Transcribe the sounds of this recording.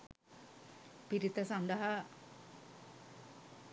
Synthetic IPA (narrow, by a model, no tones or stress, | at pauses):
piɾit̪ɐsɐnd̪ɐɦɐ